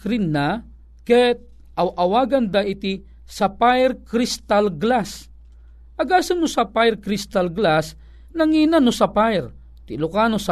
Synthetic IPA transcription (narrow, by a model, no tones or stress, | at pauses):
kɾinːa | kɛt̪̚ | awʔɐwaːɡand̪ait̪i | sapajɾkɾist̪alɡlas | ʔɐɡaːsunʊsapajrkɾist̪alɡlas | naŋiːnanʊsapajɾ | t̪ilʊkanosa